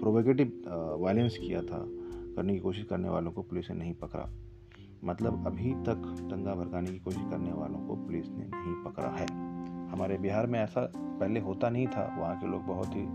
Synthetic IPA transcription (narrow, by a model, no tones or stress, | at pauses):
pɾoːbokeːʈ̬ɪbʋaːɪlə̃nskija̰t̪ʰa̰kɐɾnekikoːʃɪʃkɐɾnḛʋaːlõkopʊlɪsnḛnɐɦĩpɐkɾa̰ | mɐt̪ləbɐbʱit̪ɐkt̪ɐ̃ŋɡabʱɐɾɡaːnekikoːʃɪʃkɐɾneʋa̰ːlõko̰pʊlɪsnḛnɐɦĩpɐkɾa̰ɦɛːhɐmaːɾebiɦaːɾmẽɛːsapɛɦleɦoːt̪anɐɦĩt̪ʰa̰ʋɐɦãkeloːɡ̚bɐɦʊt̪ɦi